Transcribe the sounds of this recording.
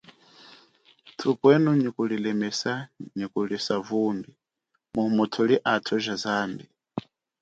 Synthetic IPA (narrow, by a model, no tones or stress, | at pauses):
tʰupwɛnuɲikulilɛmɛsaɲikulisavumbi | mumutʰuliʔatʰuʒazaːmbi